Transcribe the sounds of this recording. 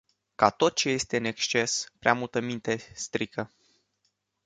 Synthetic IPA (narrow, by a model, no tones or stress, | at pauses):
kat̪o̞t̪̚t͡ʃe̞je̞st̪e̞ɨne̞kst͡ʃe̞spɾeamult̪əmint̪e̞st̪ɾikʰə